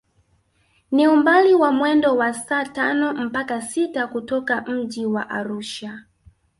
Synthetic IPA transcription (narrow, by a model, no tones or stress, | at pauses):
niumbaliwamwɛndɔwasaːtanɔm̩pakasitakutɔkam̩d͡ʒiwa̰ʔaɾuːʃa